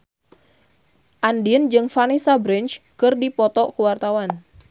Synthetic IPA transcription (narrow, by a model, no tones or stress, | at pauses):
ʔandiənd͡ʒɨŋfanisabɾɪnt͡ʃkɨrdipɔt̪ɔʔkuwart̪awan